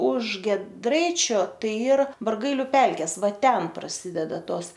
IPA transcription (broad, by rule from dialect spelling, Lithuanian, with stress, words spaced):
ʊʃ ɡʲiɛˈdrɐɪt͡ʃʲoː ˈtɐɪ ˈiːr bɐrˈɡɐɪlʲʊ ˈpʲɛlʲkʲeːs ˈʋɐ ˈtʲɛn prɐˈsʲɪdʲɛdɐ ˈtoːs